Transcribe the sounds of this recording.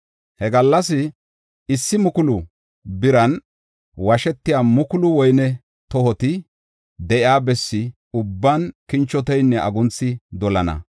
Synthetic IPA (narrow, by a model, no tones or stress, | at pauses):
hɛɡɐlːɐsɪ | ɪsːɪmʊkʊlʊ | bɪɾɐn | wɐʃɛt̪ːɪjamʊkʊlʊwɔjnɛ | t̪ɔhɔt̪ɪ | d̪ɛʔɪaːbɛsːɪ | ʊbːankɪnt͡ʃːɔt̪ɛjnːɛɐɡʊnt͡sːɪd̪ɔlɐnɐ̰